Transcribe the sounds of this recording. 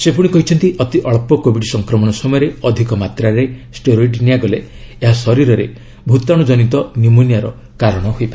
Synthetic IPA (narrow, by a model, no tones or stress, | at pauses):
sepuɽ̃ikɔɦit͡ʃʰɔnt̪iʔɔt̪iʔɔɭpɔkobʱiɖisɔŋkɾɔmɔɽ̃ɔsɔmɔjɔɾeɔd̪ʱikɔmat̪ɾaɾesʈoɾɔjɖiniaɡɔleːɦasɔɾiɾɔɾḛ | bʱut̪aɽ̃ud͡ʒɔnit̪ɔnjumunjaɾɔ | kaɾɔɽ̃ɔɦojpa